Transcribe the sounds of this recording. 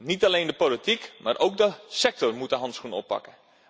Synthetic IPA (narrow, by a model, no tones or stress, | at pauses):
nitaleːndəpolitikmaːrʔowk̚dəsɛk̚tɔrmutəɦɑntsxunɔ̰pːɑ̰kə